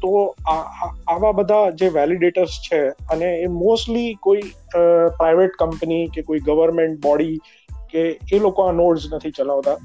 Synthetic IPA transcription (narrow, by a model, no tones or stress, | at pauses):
t̪oaaʋabəd̪ʱad͡ʒeʋɛliɖeʈəɾst͡ʃʰeəneːmosʈlikoipɾajʋeʈkəmpənikekoiɡəʋəɾmẽɳʈ̚bɔɽi | keːlokoãnoɽznət̪ʰit͡ʃəlaʋt̪a